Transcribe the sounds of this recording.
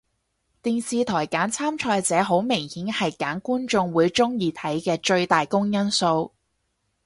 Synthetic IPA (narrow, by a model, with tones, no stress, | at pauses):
t̪iː˨nsiː˨t̪ʰɔː˨˩jkaː˨˥nt͡sʰaː˥mt͡ʃʰɔː˧jt͡sɛː˨˥ɦo˨˥wmɪ˨˩ŋhiː˨˥nhɐ˨jkaː˨˥nkuː˥nt͡sʊ˧ŋwuː˨˧jt͡ʃʊ˥ŋjiː˧t̪ʰɐ˨˥jkɛː˧t͡ʃɵ˧ɥt̪aː˨jkʊ˥ŋjɐ˥nso˧w